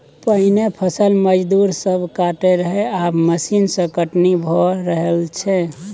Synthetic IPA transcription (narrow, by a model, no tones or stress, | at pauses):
pəɦinepʰəsəlməd͡ʒd̪uɾsəbʱkaʈeɾəɦeaməsinsə̃kəʈnibʱɔɾəɦəlt͡ʃʰɛ